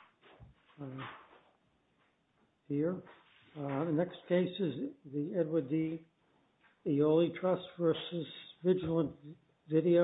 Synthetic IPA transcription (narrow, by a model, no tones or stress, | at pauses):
hiɹ | nɛkskʰeɪsɨzðiɛd̚wədi | ioʊlˠitʰɹ̥ʌsv̥ɜ˞sɨsvɪd͡ʒl̩ˠə̃n | vɪɾio